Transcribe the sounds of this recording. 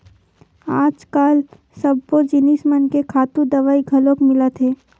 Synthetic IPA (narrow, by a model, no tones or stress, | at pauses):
aːd͡ʒkaːl | sɐb̚kod͡ʒɪnismənkekʰaːt̪ũd̪ɐʋaːiɡʱɐlõkmɪlat̪ʰeː